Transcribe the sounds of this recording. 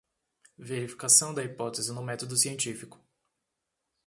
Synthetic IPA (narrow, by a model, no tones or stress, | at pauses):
veɾifi̥kasɐ̃w̃d̪ɐipɔt̪ezɪnʊmɛt̪od̪ʊsiẽnt͡ʃifikʊ̥